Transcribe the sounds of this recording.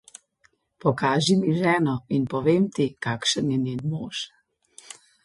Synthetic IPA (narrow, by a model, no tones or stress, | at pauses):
pɔkaːʒimiʒɛːnɔinpɔʋemt̪ikakʃənjɛnenmoːʃ